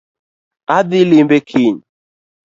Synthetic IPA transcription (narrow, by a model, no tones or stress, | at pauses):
adilimbekʰiɲ